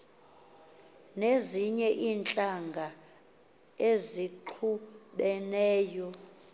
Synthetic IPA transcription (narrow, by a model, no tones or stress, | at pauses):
neziɲɛʔiːnt͡ɬʼaŋɡʱa | eziǃʰuɓɛnɛːjɔ